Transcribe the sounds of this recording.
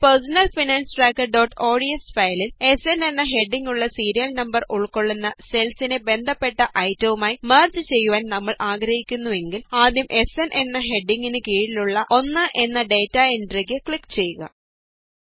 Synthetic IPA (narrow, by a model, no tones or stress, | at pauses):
persɐnɐlfinaːnsʈraːkːɐrɖo̞ːʈːo̞ːɽiesfɐjlile̞sene̞nːɐɦe̞ɖːiŋɡuɭːɐsiːɾijɐlnɐmbɐruɭkːo̞ɭːunːɐse̞lsinebe̞nd̪ʱɐpːe̞ʈːɐʔɐjtːɐʋumaːjimeːrd͡ʑɨt͡ɕe̞jːuʋaːnnɐmːɐɭʔaːɡɾɐhikʲːunːuʋe̞ŋɡilaːd̪jɐmʔe̞senʔe̞nːɐɦe̞ɖːiŋɡinɨkiːɻiluɭːɐʔo̞nːɨʔe̞nːɐɖe̞ːtːɐiɳʈriɡɨkɭikːt͡ɕe̞jːuɣɐ̰